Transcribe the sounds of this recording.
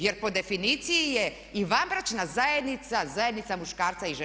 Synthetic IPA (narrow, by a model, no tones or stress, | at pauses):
jeɾpo̞d̪e̞finiːt̪sijije̞ | iʋambɾat͡ʃnazajed̪nit̪sazajed̪nit̪samuʃkaːɾt̪saiʒe